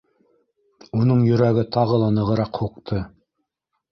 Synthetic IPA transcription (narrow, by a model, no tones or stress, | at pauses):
unɤɴjɵ̆ɾæɡɘt̪ʰɑʁɤ̆lˠɑnɤ̆ʁɤ̆ɾɑqhuqt̪ʰɤ